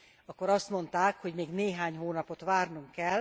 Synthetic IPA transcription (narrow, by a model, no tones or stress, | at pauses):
ɒkːoɾɒst̪mo̞nt̪aːkho̞ɟmeːɡneːɦaːɲɦoːnɒpo̞t̪ʋaːrnuŋkɛl